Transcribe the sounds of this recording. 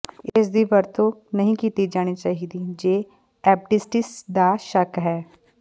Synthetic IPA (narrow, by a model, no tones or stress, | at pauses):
ɪsd̪iʋɐɾt̪onɐɦĩkiːt̪id͡ʒaːñit͡ʃaːɦiːd̪id͡ʒeː | ɛːp̚ʈɪsʈɪsd̪aʃɐkɦɛː